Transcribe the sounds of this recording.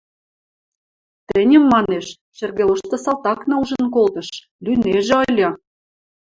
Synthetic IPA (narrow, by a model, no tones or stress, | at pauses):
t̪ə̆nʲə̆mːɑneʃ | ʃĕrɣeloʃt̪ɤ̆sɑlˠt̪ɑknɑuʒə̆nk̬olt̪ɤ̆ʃ | lʲyneʒĕolʲɑ